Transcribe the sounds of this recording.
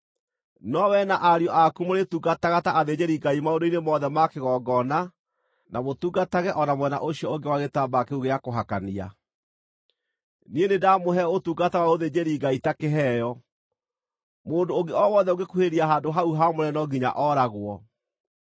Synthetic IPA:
nɔwɛnaʔaɾjɔʔakumoɾetuːɡataɣataʔaðed͡ʑeɾiɡaimaodoinemɔðɛmakeɣɔːɡɔna | namotuːɡataɣɛʔɔnamwɛna̰ʔoɕiɔoŋɡewaɣetaːbakeuɣeakoɦakania̰ | nienedamoɦɛotuːɡatawaoðed͡ʑeɾiɡaitakeɦɛːjɔ | moːndoːɡeɔwɔðɛoɡekuheɾiaɦaːdoɦauɦamoɾɛnɔɡiɲa̰ʔɔɾaɣwɔ

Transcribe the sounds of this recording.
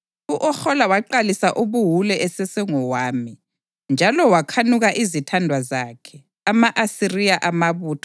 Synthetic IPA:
uʔɔxɔlawaǃalisaʔoβuɦulɛʔɛsɛsɛŋɔwaːmi | nd͡ʒʱalɔwakʰanuɣaʔizitʰandʱwazaːkʰɛ | amaʔasirijaʔamaβuːtʰɔ̥

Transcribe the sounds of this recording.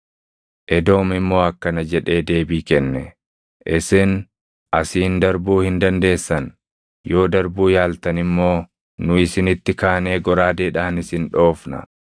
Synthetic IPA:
ʔɛd̪o̞ːmɪmːo̞ːɐkːɐnɐd͡ʒɛᶑe̞ːd̪e̞ːbiːkɛnːɛ | ʔɪsɪn | ʔɐsiːnd̪ɐɾbuːhɪnd̪ɐnd̪e̞ːsːɐn | jo̞ːd̪ɐɾbuːjaːlt̪ɐnɪmːo̞ː | nʊɪsɪnɪt̪ːɪkaːne̞ːɡɔɾaːd̪eːᶑaːnɪsɪnᶑo̞ːfnɐ̰

